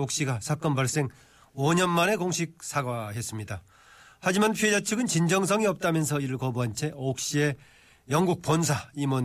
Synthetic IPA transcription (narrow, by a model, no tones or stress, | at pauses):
ok̚ɕ͈iɡasʰak͈ʌnbaɭs͈e̞ŋ | oɲʌnmane̞koŋɕʰik̚sʰaɡaɦe̞s͈ɯmɲida | had͡ʑimanpʰjied͡ʑat͡ɕʰɯɡɯnt͡ɕind͡ʑʌŋs̬ʰʌŋiʌp̚t͈amjʌnsʰʌiɾɯɭkʌboɦant͡ɕʰe̞ok̚ɕ͈ie̞ | jʌŋɡuk̚p͈ons̬ʰaimwʌn